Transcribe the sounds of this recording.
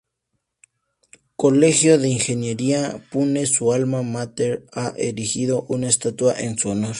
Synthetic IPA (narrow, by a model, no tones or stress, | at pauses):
kolexjoðe̞iŋxenjeɾiapunesualmamat̪eɾaʔḛɾixiðoʔunaest̪at̪uaʔensuonoɾ